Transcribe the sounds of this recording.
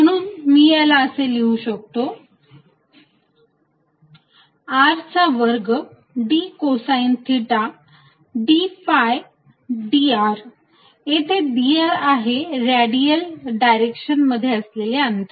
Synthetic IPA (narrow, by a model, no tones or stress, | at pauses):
m̤əɽ̃uːnmiːjalaəseliuɕək̚t̪o | aɾt͡saʋəɾɡ | ɖikosaint̪ʰiʈa | ɖifaj | ɖiaɾ | et̪ʰeɖiaɾaɦeɾaɽijəlɖajɾekɕənməd̪ʱːjeəsleleənt̪ə